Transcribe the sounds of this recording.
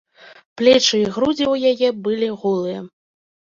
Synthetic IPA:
plʲɛt͡ʂɨiɣɾud͡zʲiwjajɛbɨlʲiɣulˠɨjɛ

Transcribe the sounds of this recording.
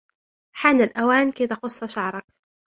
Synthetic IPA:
ħaːnɪlʔawaːnkajt̪ɑqʊsˤːɑʃaʕɾˤɑk

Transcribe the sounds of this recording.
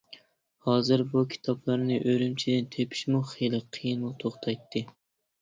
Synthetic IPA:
hɑːzɨɾbukʲʰi̥t̪ʰɑplˠɑɾnɨʔøɾymt͡ʃʰid̪ɪnt̪ʰepʰi̥ʃmuχelˠɪqʰːijinmut̪ʰoχt̪ʰɑjt̪ʰːɨ

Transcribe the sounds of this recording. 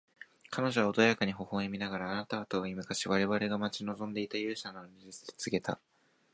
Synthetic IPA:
kʰano̞ʑo̞βaod̪ojakaɲ̟iɦo̞ho̞emʲinaɡaɾaːnat̪at̪oːimɯ̟kaɕiβaɾe̞βaɾe̞ɡamat͡ɕino̞zõ̞nd̪e̞it̪ajɯ̟ːɕanoɾizɨsɨ̥d̪e̞̥t͡sɨɡe̞t̪a̰

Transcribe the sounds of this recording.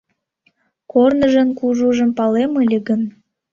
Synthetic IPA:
kornəʒənkuʒuʒə̆mpɑleməlʲeɣən

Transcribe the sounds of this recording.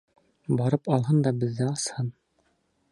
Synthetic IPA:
bɑɾɤpɑlˠɦɤnd̪ɑbɘ̆ðːɘɑshɤn

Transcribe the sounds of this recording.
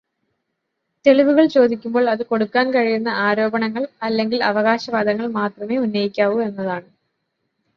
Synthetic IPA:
t̪e̞ɭiʋuɣɐɭt͡ɕo̞ːd̪ikʲːumbo̞ːɭɐðɨko̞ɽukːaːnkɐɻijunːɐʔaːɾo̞ːbɐɳɐŋːɐɭɐlːe̞ŋɡilɐʋɐɣaːɕɐʋaːd̪ʱɐŋːɐɭmaːt̪rɐme̞ːunːɐjikʲːaːʋue̞nːɐðaːɳɨ

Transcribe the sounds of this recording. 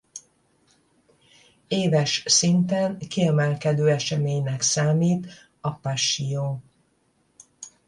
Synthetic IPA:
eːvɛʃsint̪ɛnkiɛmɛlkɛd̪øːɛʃɛmeːɲnɛksaːmiːt̪ | ɒpaʃijoː

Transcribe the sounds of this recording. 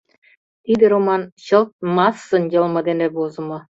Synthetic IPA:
t̪id̪ʲĕɾomɑnɕɤ̆lt̪̚mɑsːɤ̆njɤ̆lˠmɤ̆d̪enebozɤ̆mɤ̆

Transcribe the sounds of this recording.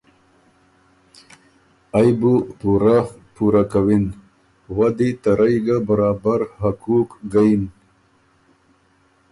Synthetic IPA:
ajbupuɾapuɾakawin | wad̪it̪aɾajɡabaɾɑːbaɾhakukɡain

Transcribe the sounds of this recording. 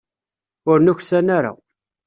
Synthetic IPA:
ʊɾnʊçsænaɾa̰

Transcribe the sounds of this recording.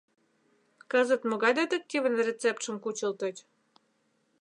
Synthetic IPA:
kəzət̪moɣɑjd̪et̪əkːiβə̆nrʲet͡sep̚t̪ʃə̆mkut͡ɕə̆lt̪ŏt͡ɕʲ

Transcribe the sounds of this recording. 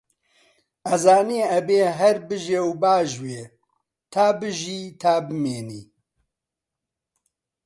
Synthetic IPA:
ɐzaːniɛbeːɦɛɾbɨʒewbaːʒweː | t̪ʰaːbɨʒiːt̪ʰaːbɨmeːnḭː

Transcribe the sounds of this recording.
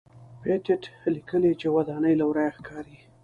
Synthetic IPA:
petɪʈlikəlit͡ʃewad̪ɑnəjlawɾajaxkʰɑɾi

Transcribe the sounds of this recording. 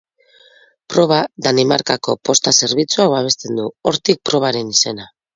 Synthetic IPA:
pɾo̞β̞aðanima̰ɾkako̞po̞st̪ase̞ɾβit͡suaβaβ̞e̞st̪e̞nd̪uo̞ɾt̪ik̚pɾo̞β̞aɾe̞nise̞na

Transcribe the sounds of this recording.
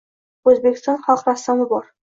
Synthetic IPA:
ɵzbekʲɪ̥st̪ɒnχɒlˠqɾast̪amɪbɒɾ

